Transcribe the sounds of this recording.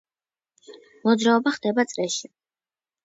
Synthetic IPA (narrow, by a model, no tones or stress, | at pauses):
mɔd̪zɾaɔbaχd̪ɛbat̪sʼlɛʃi